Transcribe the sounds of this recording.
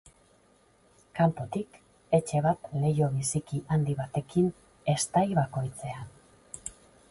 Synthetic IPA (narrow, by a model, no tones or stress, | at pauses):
kampo̞t̪ik | e̞t͡ʃe̞β̞at̪le̞jo̞βisikiʔand̪iβat̪e̞kin | e̞st̪ajβako̞jt͡se̞a